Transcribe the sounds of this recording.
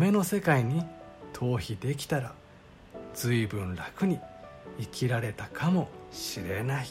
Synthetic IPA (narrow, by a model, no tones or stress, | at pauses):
me̞no̞se̞kaiɲ̟i | t̪ʰo̞ːçid̪e̞k̬ʲi̥t̪aɾa | z̥ɨibɯ̟̃nɾakɯ̟ɲ̟iikʲʰiɾaɾe̞t̪akʰamo̞ɕiɾe̞nai